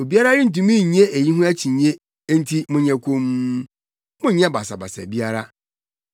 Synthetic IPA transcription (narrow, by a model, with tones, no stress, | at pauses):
o˨bi˦a˦ɾa˦ɾɪ̃˦n̩˨t̬ũ˨mĩ˦˨ɲ˦e˦ʔe˨ji˦ɦʊ̃˦æ˦t͡ɕʰĩ˨ɲ˦e˦ | n̩˦tʰi˦mʊ̃˨ɲɛ̃˨kʰõ˦m˦ | mʊ̃˦ɲɛ̃˦ba˨sa˨ba̰˨sæ̰˨bi˦a˦ɾa˦